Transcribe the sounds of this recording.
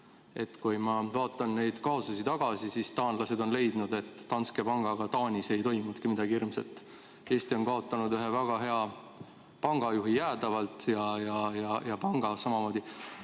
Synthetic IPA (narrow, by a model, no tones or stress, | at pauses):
e̞t̪ːkujmɑvɑːt̪ːˑɑnne̞jd̪̥kɑosɑsit̪ɑɡ̥ɑsisist̪ɑːnlɑse̞d̪o̞nle̞jd̪nud̪e̞t̪ˑːɑnske̞pɑŋɡ̥ɑɡ̥ɑt̪ɑːnʲise̞jt̪o̞jmut̪kimid̪ɑɡ̥iirmsḛlt̪ːˑ | e̞ːst̪io̞nkɑo̞t̪ːˑɑnud̪yɦe̞væɡ̥ɑɦe̞ɑ | pɑŋɡ̥ɑjuɦijæːd̪̥ɑvɑlt̪ˑjɑjɑjɑjɑpɑŋɡ̥ɑsɑmɑmo̞ːd̪̥ʲi